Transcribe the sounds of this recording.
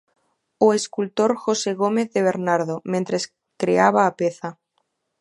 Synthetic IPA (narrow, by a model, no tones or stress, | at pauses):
oeskult̪o̞ɾxose̞ɣ̞omeθðe̞β̞e̞ɾnaɾð̞omẽnt̪ɾes | kɾeaβ̞aːpeθa